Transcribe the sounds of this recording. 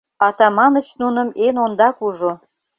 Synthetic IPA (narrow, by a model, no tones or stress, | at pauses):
ɑt̪ɑmɑnət͡ɕnunə̆menond̪ɑkuʒo